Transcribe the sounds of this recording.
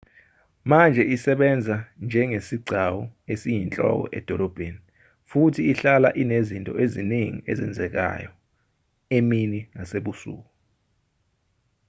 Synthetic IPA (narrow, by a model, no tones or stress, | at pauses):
mand͡ʒʱɛisɛɓɛnd͡zʱand͡ʒʱɛŋesiɡ͡ǀʱawɔesijint͡ɬʼɔ̰k̬ɔ̰ʔɛ̰d̥ʱɔlɔb̥ʱeni | futʰiːɬala̰ʔinezintʼɔeziniŋḭezɛnd͡zʱɛk̬a̰jɔ | eminiŋaseɓusṵːk̬ɔ